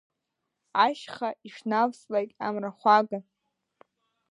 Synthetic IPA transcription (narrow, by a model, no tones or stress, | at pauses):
aʃχaiʂnavsʼlejtʼa̰mraχʷaɡa